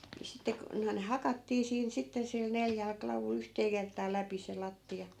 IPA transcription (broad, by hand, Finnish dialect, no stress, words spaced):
ni sitːe ku noi̯n hɑkɑtːiː siːn sitːe sil neljæl klɑʋul yhteː kertˑɑː læpi se lɑtːiɑ